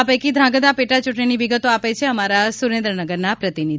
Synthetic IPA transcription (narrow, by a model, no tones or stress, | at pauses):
apəjkid̪ʱɾãɡəd̪apeʈat͡ʃʊʈɳiniʋiɡət̪oapet͡ʃʰeəmaɾasuɾẽnd̪ɾənəɡəɾnapɾət̪ini